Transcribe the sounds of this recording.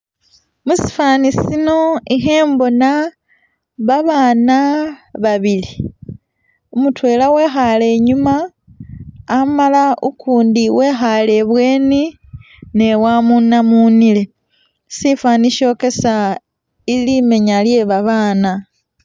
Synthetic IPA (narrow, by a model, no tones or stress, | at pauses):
musi̥faːnisino̞ixe̞ːmbo̞na | βaβaːnaβaβili | umutwe̞ːlawe̞ːxale̞ːɲuma | malaukuːndiwe̞ːxale̞βwe̞ːni | ne̞wamunamuːnile̞ | sifaːniʃo̞ːke̞sa | ilime̞ɲalje̞βaβaːna